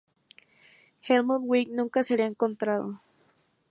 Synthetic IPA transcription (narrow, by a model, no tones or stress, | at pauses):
xelmud̪wiknũŋkaseɾeaeŋkont̪ɾaðo̰